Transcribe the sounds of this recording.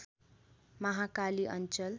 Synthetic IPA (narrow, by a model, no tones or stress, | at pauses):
mʌɦakaliʔʌ̰nt͡sʌl